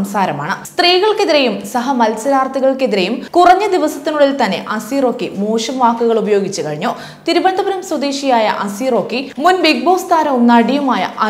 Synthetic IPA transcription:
msaːɾɐmaːɳɨst̪riːɣɐɭkeðiɾejumsɐɦɐmɐlsɐɾaːrt̪ʰiɣɐɭke̞ðiɾejumkurɐɲːɐd̪iʋɐsɐt̪ːinuɽilt̪ɐnːe̞̰ʔɐsiːro̞ːkːimoːʂɐmʋaːkːuɣɐɭubɐjo̞ːɡit͡ɕːukɐɻiɲːoː | t̪iɾubɐnd̪ʱɐbɐɾɐmswɐd̪eːɕijaːjɐ̰ʔɐsiːro̞ːkːimunʋek̚boːʋst̪ʰaːnɐʋumnɐɽijɐmaːjɐ̰ʔɐ

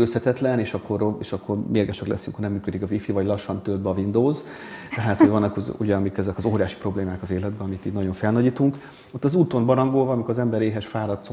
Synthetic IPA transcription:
øshɛt̪ɛt̪lɛneːʃɒkːo̞ɾeːʃɒkːo̞rmeːɾɡɛʃɛklɛ̰sy̰ŋkʰhonɛmːyːkød̪ikɒvifivɒɟlɒʃːɒnt̪øld̪bɒvind̪oːz | t̪ɛɦaːt̪hoɟvɒnːɒkuuɟɛɒmikɛzɛkɒzoːɾijaːʃi̥pro̞bleːmaːkɒzeːlɛd̪̚bɛɒmit̪iːd̪nɒɟo̞ɱfɛlnɒɟiːt̪uŋk | ot̪ːɒzuːt̪o̞mbɒɾɒŋɡoːlvɒːmikoɾɒzɛmbɛɾeːɦɛʃfaːɾɒt̪so

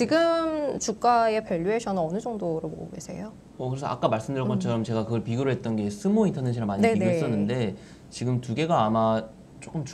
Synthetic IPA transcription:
t͡ɕiɡɯmt͡ɕuk͈aepjʌʎːuɦeɕʰʌnɯnʌnɯd͡ʑʌŋdoɾɯɭbo̰ɡoɡesʰe̞̰jo | ʌkɯɾesʰʌʔa̰k͈amaɭs͈ɯmdɯɾjʌmʌnt͡ɕʰʌɾʌmt͡ɕe̞ɡakɯɡʌɭpiɡjuɾɯɭɦe̞t̚t͈ʌnɡe̞sʰɯmointʰʌneɕʰiɾamaɲiiɡus͈ʌnːɯnde̞ | t͡ɕiɡɯmtuɡe̞ɡaːma | t͡ɕ͈ok͈ɯmt͡ɕ

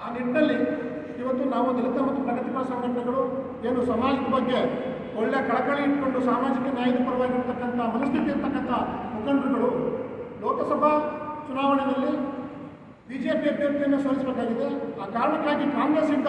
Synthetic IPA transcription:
aːniʈnɐlːi | iʋɐt̪ːunaːʋunilɐt̪ɐmɐt̪ːupɐnːɐt̪ipɐːɐsɐŋɡɐʈɐɡɐɭu | eːnusɐmaːlikɐbɐɡːe̞ | ɔɭːekɐɭɐkɐɭiiʈko̞ɳɖusaːmaːd͡ʒikːɐnjaːjɐd̪upɐɾɐʋaːɡiɾt̪ɐkːɐnt̪ʰɐmɐnɐst̪ʰit̪iiɾt̪ʰɐkːɐnt̪ʰɐmukɐnd̪ɾɐɡɐɭulɔːkɐsɐbʱɐt͡ʃunaːʋɐɳɛd̪ɐlːi | biːd͡ʒe̞ːpiɐbjɐɾt̪ijɐnːesoːɾisbeːkaːɡid̪e̞aːkaːɾɐɳɐkːaːɡikaːŋɡɾeːsind̪

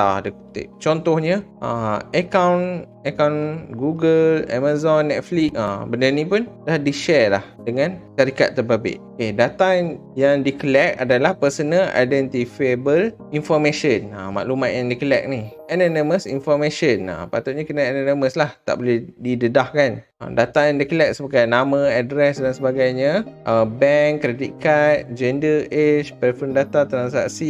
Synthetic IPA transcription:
a̰dəkut̪ḛʔt͡ʃɔnt̪ɔhɲəʔaəkawn | əkawnɡuɡəla̰mazɔnːɛt̪̚flik̚abəndərnĩpʊndahdiʃɛlahdəŋãnt͡ʃaɾikat̪ːəbabɪ̰ʔokedat̪aŋjaŋdikəlɛk̚a̰dalahpərsənə̃la̰jdɛnt̪ifebəl | infɔmẽʃəna̰ma̰ʔlumãt̪ʔ̪̚jãŋdikəlɛ̰k̚niananəməsinfɔmẽʃəna̰mpat̪utʔɲakənaɛnaniməslaht̪a̰ʔbolɛhdidədahkan | a̰dat̪ajaŋdikəlɛk̚səbaɡajnamãadɾɛsdansəbaɡajɲaʔəbɛŋkːɾedikat̪̚d͡ʒɛndəʔet͡ʃpəfəndat̪at̪ɾansa̰ksi

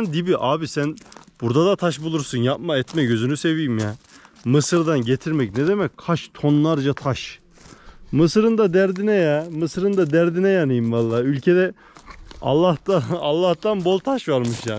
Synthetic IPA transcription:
nd̪ibiʔaːbisænb̥uɾd̪ad̪at̪ʰaʃbulˠuɾsunjap̚maɛt̪mɛɟø̞zynyse̞vijimjamɯsɯɾd̪anɟet̪ʰiɾmɛcnɛd̪emɛc̚ʲkʰaʃt̪ʰo̞nlˠaɾd͡ʒat̪ʰaʃ | mɯsɯɾɯnd̪ad̪æɾd̪inɛjamɯsɯɾɯnd̪ad̪æɾd̪inɛjanɯjɯmvalˠːaːylʲcʰed̪ɛ | ɑ̰lˠːaht̪aalˠːaht̪anbo̞lˠt̪ʰaʃvaɾmɯʃjaː

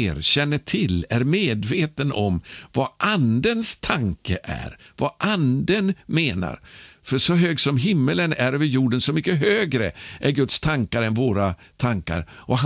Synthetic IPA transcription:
ɾɕɛnːəʈʰɪlæɾmeːd̪veːt̪ənʔɔmvaʔand̪ənst̪ʰaŋkəʔæ̰ɾvaʔand̪ənmeːna̰ɾfœʂɔɦøːɡsɔmɦɪmːələnæɾvɪjuːɖənsɔmʏkːəɦøːɡɾəʔæɾɡɵt̪st̪ʰaŋkaɾɛnvoːɾa | t̪ʰaŋka̰ɾʔɔɦ

